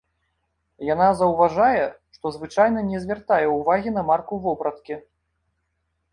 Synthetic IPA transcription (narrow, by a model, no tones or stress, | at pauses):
janazɐwvaʐajɛ | ʂt̪ɔzvɨt͡ʂajn̪ɐnʲɛzʲvʲart̪ajɛwvaɣʲin̪ɐmarkuvɔbɾɐt̪kʲi